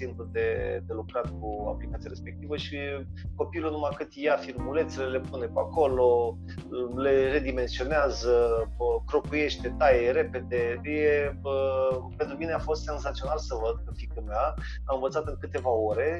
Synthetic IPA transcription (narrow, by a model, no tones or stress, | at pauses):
simplud̪e̞d̪e̞lukɾat̪k̚ua̰plikat̪sijaɾespek̚t̪ivəʃiko̞pilunumakɨt̪ʲjafirmule̞nt̪selele̞pune̞pua̰ko̞lo̞ | le̞re̞d̪ime̞nsio̞neazəkɾo̞kuje̞ʃt̪e̞t̪ajeɾe̞pe̞d̪e̞je̞əpe̞nt̪ɾumineafo̞st̪se̞nzat̪sio̞nalsəvəd̪̚kəfikəmea | amɨnvət̪sat̪̬enkɨt̪e̞vao̞ɾe̞